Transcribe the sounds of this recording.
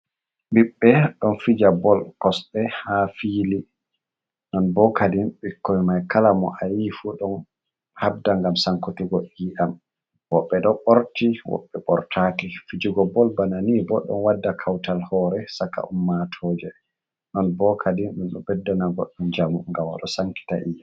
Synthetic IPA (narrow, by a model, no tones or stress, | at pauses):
ɓiɓːɛɗɔnfid͡ʒabɔlkɔsɗɛhafili | nɔnbɔkadinɓikːɔimajkalamɔ̰ʔajifuɗɔn | hab̚daŋɡamsaŋkutiɡɔʔiːʔam | wɔɓːɛɗɔɓɔɾtiwɔ̰ɓːɛɓɔ̰ɾtʰakifid͡ʒuɡɔbɔlbananibɔɗɔ̰nwadːakʰawtalhɔɾɛsaka̰umːatʰɔːd͡ʒɛ | nɔnbɔkʰadiɗɔnɗɔbɛdːɔnaɡɔ̰ɗɔnd͡ʒamuŋɡama̰ɗɔsaŋki̥ta̰ʔija